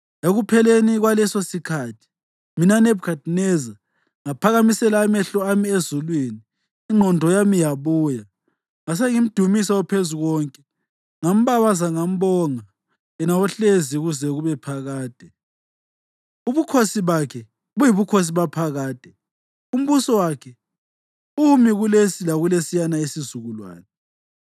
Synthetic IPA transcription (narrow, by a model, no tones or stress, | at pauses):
eɣupʰɛleniɣwalɛsosikʰaːtʰi̥ | minanɛbkadnɛza | ŋapʰaɣamisɛlaːmɛɬɔamiezulwiːniː | ŋ͡ǃʱɔndʱɔjamijaβuːja | ŋas̬eŋim̩d̥ʱumisawɔpʰezuɣɔːŋkʼɛ | ŋam̩βaβazaŋam̩βɔŋa | jɛnawɔɬeziɣuzɛɣuβɛpʰaɣaːd̥ʱɛ | uβukʰosiβakʰɛ | βujiβukʰos̬iβapʰaɣaːd̥ʱɛ | um̩βusɔwakʰɛ | umiɣulesilaɣulesijanaesizuɣulwa̰ːnɛ